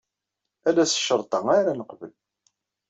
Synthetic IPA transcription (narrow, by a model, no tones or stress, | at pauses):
ælæsə̥ʃəɾˤt̪ˤɑŋaɾanəqvə̰l